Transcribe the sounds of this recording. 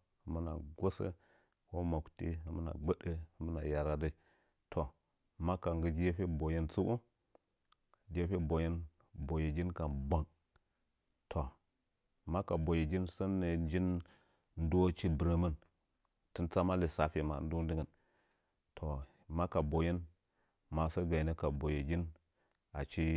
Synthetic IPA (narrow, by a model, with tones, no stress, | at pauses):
mə˦na̰˨ɡo˦sə̰˦ | ko˦ma˨ktḭ˦a˨mə˦na̰˨ɡ͡bə˦ɗə˦˨mə˦na˨ja˨ɾa˦də˦˨ | tʰo˨ | ma˦ka˨ŋɡə˨d͡ʒje˦fe˦bo˨ji˦nt͡su˦ku˦ | d͡ʒe˦fe˦bo˨ji˦n | bo˨ji˨d͡ʒi˦nka˨ba˨ŋ | tʰo˨ | ma˦ka˨bo˨je˨d͡ʒi˦nsə˦nːe˨n˦d͡ʒi˦n | n̩˦dt͡ʃi˦bə˨ɾə˦mə˦n | ti˦nt͡sa˦ma˦li˨sa˦fe˨ma̰˨n˦du˦di˦ŋə˨n | tʰo˨ | ma˦ka˨bo˨ji˦n | ma˨sə˦ɡa˨ne˦ka˨bo˨je˨d͡ʒi˦n | a˨t͡ʃi˦